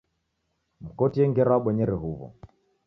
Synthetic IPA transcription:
m̩kɔtiɛŋɡɛɾɔaɓɛɲɛɾɛɦuβɔ̰

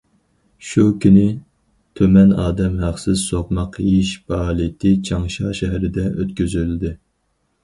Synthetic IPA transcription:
ʃukʲʰynɪ | t̪ʰømɛnɑːd̪ɛmɦæχsɪzsopmɑqjiʃbɑːlˠit̪ʰɪt͡ʃʰɑŋʃɑʃɛɦæɾɪd̪ɛʔøt̪kʲyzyld̪ɪ

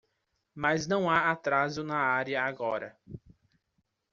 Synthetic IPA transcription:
maznɐ̃w̃aat̪ɾazʊnɐaɾiɐaɡɔɾɐ̰

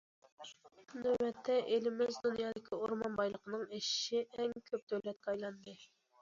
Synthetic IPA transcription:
nøwɛt̪ʰːɛʔelɪmɪzd̪unjɑːd̪ɪkʲʰioɾmɑnbɑjlˠəqʰənɨŋeʃɪ̥ʃɪɛŋkʲʰøp̚d̪øwlɛt̪̚kɑjlˠɑnd̪ɨ

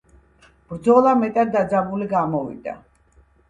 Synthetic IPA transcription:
b̥ɾd̪zɔlˠamɛt̪ʼat̪̚d̪ad̪zabuliɡamɔvḭd̪a̰

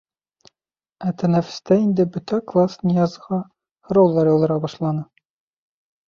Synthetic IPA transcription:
æt̪ɘ̆næfɘ̥̆st̪æind̪ɘbɵ̆t̪æklˠasnʲijɑzʁɑ | hŏɾowlˠːɑɾjɒlˠd̪ɤ̆ɾɑbɒʃlˠɑnɤ

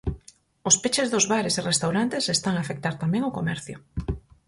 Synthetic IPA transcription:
ʊspet͡ʃɪzðʊzβaɾeserest̪awɾant̪esest̪aŋaːfek̚t̪aɾt̪amɛ̃ŋʊkomɛɾθjʊ̰

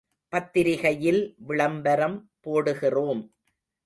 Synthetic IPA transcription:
pɐt̪ːɪɾɪɣɐjɪlʋɪɭɐmbɐɾɐmpoːɽɯɣɪroːm

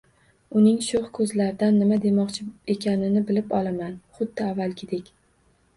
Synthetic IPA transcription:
ʊnɪŋʃʊχkʰɵzlaɾd̪anːɪmad̪e̞mɒqt͡ʃʰɪe̞kʲʰanɪnɪbɪlɪpɒlˠamanχʊd̪ːɪavːalˠkʲʰɪd̪ekʲ

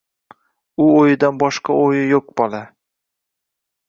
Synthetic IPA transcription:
ʊojɪd̪anbɒʃqɑojɪjoq̚bɒlˠa

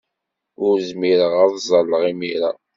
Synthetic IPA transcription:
ʊɾzmiɾəʁɑðzˤɑlːəʁimiɾa̰

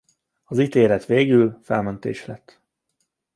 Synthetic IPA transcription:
ɒziːt̪eːlɛt̪ʋeːɡylfɛlmønt̪ḛːʃlɛt̪ː

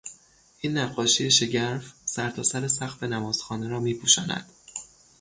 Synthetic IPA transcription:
ʔiːnːæɢːɒːʃijeʃe̞ɟæɾfsæɾt̪ʰɒːsæɾe̞sæxfe̞næmɒːz̥xɒːneɾɒːmiːpʰuːʃɒːnæ̰d̪̥

